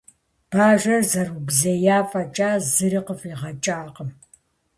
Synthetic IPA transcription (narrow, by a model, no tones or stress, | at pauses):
b̥aːʒʷɐrzɐrubzɐjaːfɐt͡ʃʼaːzɨɾɨqəfiːʁɐt͡ʃʼaːqəm